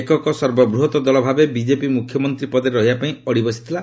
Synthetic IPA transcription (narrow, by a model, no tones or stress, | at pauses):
ekɔkɔsɔɾbɔbɾuɦɔt̪ɔd̪ɔlɔbʱabebid͡ʒepimukʰjɔmɔnt̪ɾipɔd̪eɾɾɔɦibapaĩɔɽibɔsi̥t̪ʰila